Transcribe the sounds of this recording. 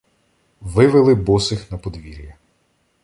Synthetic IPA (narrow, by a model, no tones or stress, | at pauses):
ʋɪʋɪlˠɪbɔsɪxnɐpɔd̪ʋʲiɾʲjɐ